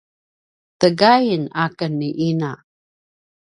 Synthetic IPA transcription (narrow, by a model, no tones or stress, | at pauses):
t̪əɡajənakənːiʔina